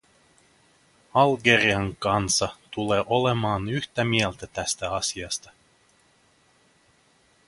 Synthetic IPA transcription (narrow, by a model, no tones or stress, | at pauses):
ɑlɡeriɑŋkɑnsɑt̪uleːʔolemɑːnyht̪æmiɛlt̪æt̪æst̪æɑsʲiɑst̪ɑ̥